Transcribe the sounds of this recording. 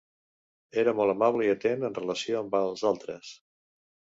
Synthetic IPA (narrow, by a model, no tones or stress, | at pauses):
eɾəmɔlˠəmaβləiət̪enənrələsioəmbalˠzalˠt̪ɾəs